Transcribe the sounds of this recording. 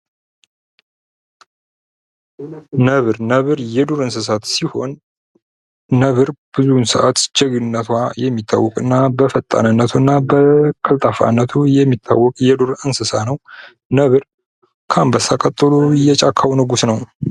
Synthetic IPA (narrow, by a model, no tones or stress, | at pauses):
nəβɨɾnəβɨɾjɛd̪oɾɨnsɨs̬at̪siho̞n | əβɨɾb̥ɨzunsɨʔat̪d͡ʒɛɡɨnːət̪ʰwajɛmːit̪ʰːa̰wːɔkʼɨnːabəfət̪ʼːa̰nɨnːət̪ʰunːabəkʰəlt̪ʼafa̰nːət̪ʰujɛmːit̪ʰːa̰wːɔkʼjɛd̪oɾɨnsɨsanəw | nəβɨɾ | kʰambəsːakʼət̪ʼːɨlujɛt͡ʃʼakʰːawnəɡusnəw